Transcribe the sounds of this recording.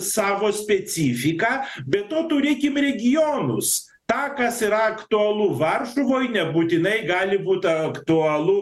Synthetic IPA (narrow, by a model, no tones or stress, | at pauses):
sɑːʋoːsʲpʲɛt͡ssʲiːfʲɪkɑːbʲɛt̪ːoːt̪uːɾʲeːkʲɪmrʲɛɡʲɪjoːnʊ̰s | t̪ɑːkɐsiɾɐɐkt̪ʊɐlˠʊʋɐrʃʊʋoːjnʲɛbuːt̪ʲɪnɐɪɡɑːlʲɪbuːt̪ɐɐkt̪ʊɐlˠʊ